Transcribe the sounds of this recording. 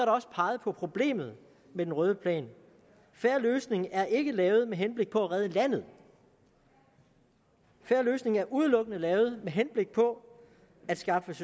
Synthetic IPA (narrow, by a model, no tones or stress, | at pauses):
ɐɾɑɒ̽sə̥pʰɑ̈ːɪð̞̩ˠpʰɒ̽pʰʁo̝b̥le̝̰ːmð̞̩ˠ | med̥enʁœːð̞ˠəpʰlɛ̰ːn | fæɐløːsne̝ŋæɐʔe̝ɡ̥əlɛːʊð̞̩ˠmeɦenb̥le̝ɡ̥̚pʰɒ̽æʁɛðˠəlæn̰ð̞̩ˠ | fæɐløːsne̝ŋæɐʔuð̞ˠlɔ̽ɡ̥ənəlɛːʊð̞̩ˠmeɦenb̥le̝ɡ̥̚pʰɒ̽ | æd̥sɡ̥ɑ̈fəs